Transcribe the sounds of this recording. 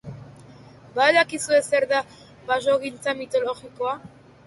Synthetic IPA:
baðakisue̞se̞ɾða | βaʃoɣint͡samit̪o̞lo̞ɣikoa

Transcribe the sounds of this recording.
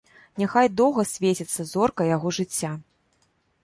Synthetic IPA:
nʲaxajd̪ɔwɣɐsʲvʲet͡sʲit̪sːɐzɔrkɐjaɣɔʐɨt͡sʲːa

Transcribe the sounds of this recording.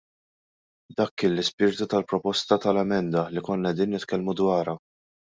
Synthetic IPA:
d̪ɐkːɪnlːɪspɪɾt̪ut̪ɐlpɾɔpɔst̪ɐt̪ɐlɛmɛnd̪ɐlikɔnːɐɛd̪iːnːɪt̪kɛlmud̪wɐːɾɐ

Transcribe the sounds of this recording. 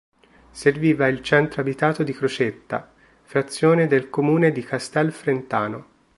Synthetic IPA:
serviːvailt͡ʃɛnt̪ɾoabit̪aːt̪od̪ikɾot͡ʃet̪ːa̰ | fɾat̪sːjoːned̪elkomuːned̪ikast̪ɛlfɾent̪aːno

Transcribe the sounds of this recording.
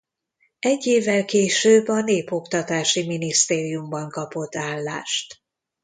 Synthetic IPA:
ɛɟːeːvːɛlkeːʃøːbːɒneːpo̞kt̪ɒt̪aːʃiminist̪eːɾijumbɒŋkɒpo̞t̪ːaːlːaːʃt̪

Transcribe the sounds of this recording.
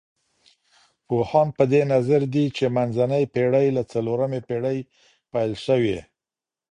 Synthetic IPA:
pohɑnpəd̪enazaɾd̪it͡ʃemanzanəjpeɽəjlat͡saloɾamepeɽəj | pajlʃəwe

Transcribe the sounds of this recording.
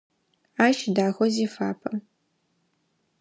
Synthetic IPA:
aːʃdaːxʷɔzifaːpʰɐ

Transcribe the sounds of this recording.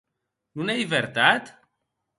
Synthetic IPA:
nunelivert̪at̪

